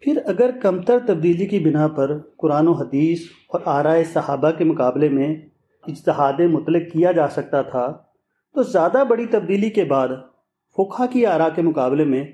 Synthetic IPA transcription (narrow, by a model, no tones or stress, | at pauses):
pʰɪɾɐɡəɾkɐmt̪əɾt̪ɐb̚d̪iːlikibɪnapɐɾkʊɾaːnoɦɐd̪iːs | ɔːɾaːɾaːesɐhaːbakemʊkaːblemẽ | ɪd͡ʒt̪ɪɦaːd̪ẽmʊt̪lɪkːijad͡ʒaːsɐk̚t̪at̪ʰa | t̪ozjaːd̪abɐɽit̪ɐb̚d̪iːlikebaːd̪ | fʰoːkʰakiaːɾakemʊkaːblemẽ